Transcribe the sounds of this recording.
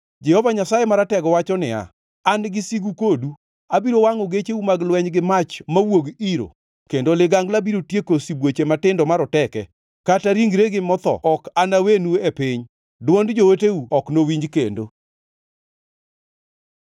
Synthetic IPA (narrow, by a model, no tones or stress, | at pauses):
d͡ʒɛhɔvaɲasajemaɾatɛɡɔwat͡ʃɔnɪa̰ | anɡɪsiɡukodu | abiɾowaŋoɡet͡ʃeumaɡlwɛɲɡɪmat͡ʃmawoɡiɾo̰ | kendolɪɡaŋɡlabiɾotjekosibwot͡ʃematɪndɔmaɾɔtɛkɛ | kataɾiŋɡɾeɡɪmɔt̪ɔ̰ɔkanawenuepɪɲ | dwɔndd͡ʒooteuɔknowiɲd͡ʒkendo